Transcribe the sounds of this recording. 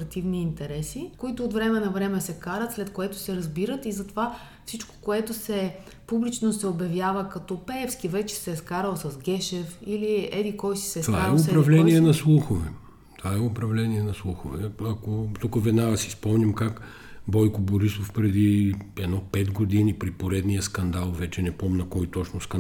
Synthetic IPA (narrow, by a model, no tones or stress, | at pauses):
ɾɐt̪ivniːnt̪ɛɾɛsikoit̪ʊːt̪vɾɛmɛnɐvɾɛmɛsɛkaɾət̪slɛt̪koɛt̪ʊ̥sɛɾɐzbiɾət̪izɐt̪ova | fsit͡ʃko̥koɛt̪ʊsɛ | publit͡ʃnosɛobjɐvjavəkɐt̪ɔpɛɛfskivɛt͡ʃɛ̥sɛːskaɾəlˠsɐzɡʲɛʃɛfiliɛd̪ikɔjsi̥sɛst̪vaaɛʊpɾɐvlɛniɛnɐslˠuxovɛ | t̪ovaɛʊpɾɐvlɛniɛnɐslˠuxovɛɐkot̪ukəvɛd̪naɡəsi̥spɔmnʲimkak | bɔjkʊboɾisofpɾɛd̪iɛd̪nɔpɛd̪ɡod̪inipɾipoɾɛd̪nijəskɐnd̪alˠvɛt͡ʃɛnɛpɔmnɐkɔjt̪ɔt͡ʃnʊsk̪